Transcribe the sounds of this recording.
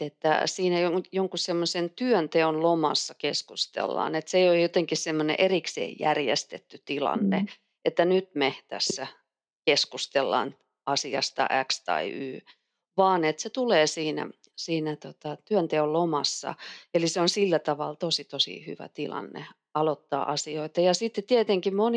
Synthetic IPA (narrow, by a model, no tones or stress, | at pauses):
et̪ːæ̰siːnæjoŋjoŋkussemːosent̪yønt̪eonlomɑ̰sːɑkeskust̪ḛlːɑ̰ːnet̪seojjot̪eŋkissemːonḛʔeriksḛːjjærjḛst̪et̪ːyt̪ilɑ̰nːḛ | ʔet̪ːænyt̪met̪æ̰sːæ | keskust̪elːɑ̰ːn | ɑsiɑ̰st̪ɑ̰ʔækst̪ɑ̰iʔyː | ʋɑːnet̪set̪uleːsiːnæ̰ | siːnæt̪ot̪ɑt̪yœnt̪eollomɑ̰sːɑ̰eliseonsilːæt̪ɑʋɑlt̪osit̪osḭhy̰ʋæ̰t̪ilɑ̰nːḛ | ɑlot̪ːɑ̰ːʔɑsioit̪ɑjɑsit̪ːet̪iet̪eŋkimon